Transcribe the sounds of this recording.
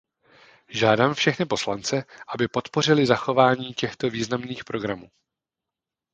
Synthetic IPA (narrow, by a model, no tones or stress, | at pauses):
ʒaːdaːmfʃɛxnɪpo̞slant͡sɛʔabɪpo̞t̪po̞r̝ɪlɪzaxo̞vaːɲiːcɛxt̪o̞viːznamniːxpɾo̞ɡɾamuː